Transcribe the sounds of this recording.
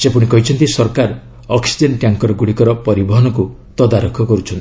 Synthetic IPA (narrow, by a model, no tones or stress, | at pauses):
sepuɽ̃ikɔɦit͡ʃʰɔnt̪isɔɾkaɾ | ɔksi̥d͡ʒenʈjaŋkɔɾɔɡuɽikɔɾɔpɔɾibɔɦɔnɔku | t̪ɔd̪aɾɔkʰɔkɔɾut͡ʃʰɔnt̪i